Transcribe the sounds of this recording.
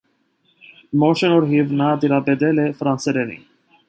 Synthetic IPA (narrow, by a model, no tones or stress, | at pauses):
mɔʃɛnɔɾɦivnad̪iɾabɛd̪ɛlɛfɾansɛɾɛnḭ